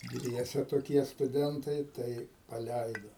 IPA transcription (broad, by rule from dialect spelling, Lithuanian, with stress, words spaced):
ˈdʲʋʲiɛsʲɛ toːˈkʲiɛ stʊˈdʲɛntɐɪ ˈtɐɪ pɐˈlʲæɪdoː